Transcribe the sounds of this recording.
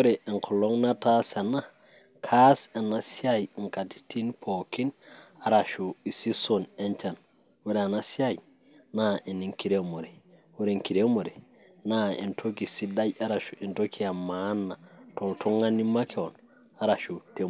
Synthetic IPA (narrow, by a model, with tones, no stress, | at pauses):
ɾe˨i˨ŋkʰo˨lo˦ŋna˦ta˦sa˨na˦ | kʰa˦se˨na˨sia˦jŋka˨ti̥ti˦npʰoki˦n | a˦ɾa˨ʃu˨i˨si˦sone˦ɲt͡ʃa˨n | wu˦ɾe˨a˨na˦si˦a˦j | naʔi˨ni˨ŋki˨ɾe˦mo˨ɾe˨ | wu˦ɾe˨ŋki˨ɾe˦mo˨ɾe˨ | naḭ˨ntʰo˦ki˨si˦da˦ja˦ɾa˨ʃu̥˨ʔi˨nto˦kʰi˦a˨ma˦nːa˨to˨ltu˦ŋa˦ni˦ma˦kʰe˦o˨n | a˦ɾa˨ʃu˨te˦